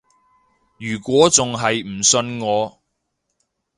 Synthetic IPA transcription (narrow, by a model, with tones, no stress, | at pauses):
jyː˨˩kʷɔː˨˥t͡sʊ˨ŋɦɐ˨jm̩˨˩sɵ˧nŋɔː˨˧